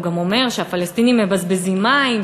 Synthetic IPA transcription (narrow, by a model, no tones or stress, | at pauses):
ɡamo̞me̞ʁʃeafalest̪inimːebazbezimaim